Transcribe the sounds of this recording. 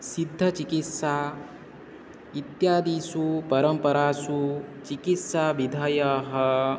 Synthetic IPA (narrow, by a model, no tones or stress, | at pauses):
sid̪ʱːɐt͡ʃikit̪saː | it̪jaːd̪iːsupɐɾɐmpɐɾaːsut͡ʃikit̪saʋid̪ʱɐjɐɦɐ